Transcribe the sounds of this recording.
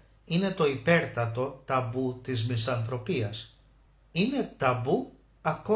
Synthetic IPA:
ine̞t̪o̞ipe̞ɾt̪ɐt̪o̞t̪ɐbut̪izmisɐnθɾo̞piɐs | ine̞t̪ɐbu | ɐko

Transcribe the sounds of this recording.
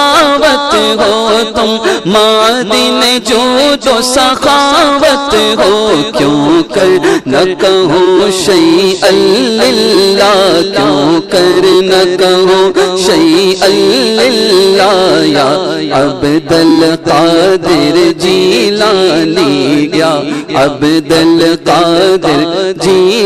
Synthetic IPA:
ʋət̪ɦot̪umaːd̪ined͡ʒod͡ʒ̪osɐxaːʋɐt̪ɦokjõkɐɾnɐkɐɦõʃɐiɐlɪlːaːkjõkɐɾnɐkɐɦõʃɐiɐlɪlːaːjaːɐbd̪ɐlqaːd̪ɪɾd͡ʒilaːliɡjaːɐbd̪ɐlqaːd̪ɪɾd͡ʒi

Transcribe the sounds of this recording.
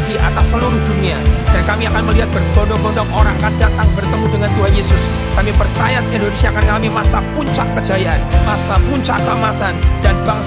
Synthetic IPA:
diʔa̰t̪asːəluɾud͡ʒumiadankamiakanməliɦat̪̚bərɡondɔŋɡodɔŋoɾaŋakandat̪aŋbərt̪əmudəŋant̪uɦanjesʊs | kamipərt͡ʃajat̪ɛndonesiaːkankamimasapuɲt͡ʃakːəd͡ʒajianmasapuɲt͡ʃakːəəmasandanbaŋ

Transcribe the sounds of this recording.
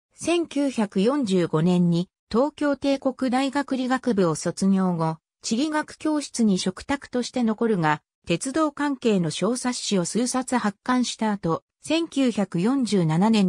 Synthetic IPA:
sẽ̞ŋkʲɨːçakɯ̟jõ̞ɲd͡ʑɨːɡo̞nẽ̞ɲ̟ːi | t̪o̞ːkʲo̞ːt̪e̞ːko̞kɯ̟d̪aiɡakɯ̟ɾʲiɡakɯ̟bɯ̟oso̞t͡sɨɲʲo̞ːɡo̞ | t͡ɕiɾʲiɡakɯ̟̥kʲo̞ːɕi̥t͡sɨɲ̟iɕo̞kɯ̥t̪akɯ̟̥t̪o̞ɕi̥t̪e̞no̞ko̞ɾɯ̟ɡa | t̪e̞t͡sɨd̪o̞ːkãŋke̞ːno̞ɕo̞ːsaɕio̞sɨːsat͡sɨhakːãɰ̃ɕi̥t̪aːt̪o̞ | sẽ̞ŋkʲɨːçakɯ̟jõ̞ɲd͡ʑɨːnananẽ̞ɲ

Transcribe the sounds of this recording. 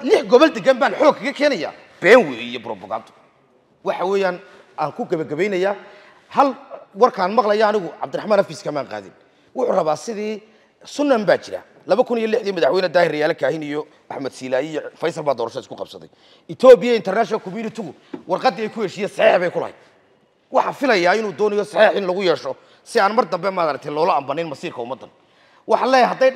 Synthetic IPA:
lɪħɡɔβɔld̪ɛɡɛmbaːnħɔːɡ̚kʰɐkɐkʰɛːnɐja̰ː | b̥ɛːŋwiijɔbɾɔbʊɣa̰ːbt̪ʰʊ̥ | wɑħɑwɛːjaːn | aːŋkʰʊɡɐβɐɡɐβɛjnɐjaː | hɐlwɑrkʰaːnmɑqlɐjaːnɪɣʊʕɑ̰bd̪ʊɾɑħmaːnhɐfiːskʰɐmaːŋqa̰ːðɪ̰n | wʊħʊːrɐβaːsɪðiː | sʊnːɐmbaːt͡ʃɪɾa̰ː | lɐβɐkʰʊnijɔlɪħðiːmɐðaħwɛjnɐd̪aːhɪɾjaːlɛkʰaːhɪnijɔ | ʔa̰ħmɐd̪siːlaːijɔfɐjsɐlbaːd̪ɔːɾɐʃɔɪskʊqɑbsɐðɛ̰j | ɪt̪ʰɔːbɪjɐɪnt̪ʰɛrnaːʃkʰɔmjuːnɪt̪ʰɪɣʊ | wɑrqɑd̪ɛjkʰʊhɛʃiːjɛsɑħiːħβɛjkʰʊlɐ̰hḛjd̪̚ | wɑħɑfɪlɐjaːɪnuːd̪ɔːnɛjɔsɑħiːħɪnlɐɣʊjɛːʃɔ | sɪaːnmɐrd̪ɐmbɛmɐɾɐk̚t̪ʰɛjlɔːlɔɐmbɐnːɪnmɐsiːrkʰɐʊmːɐd̪ːɐ̰n | wɑħɑlɛɦɐd̪ɛ

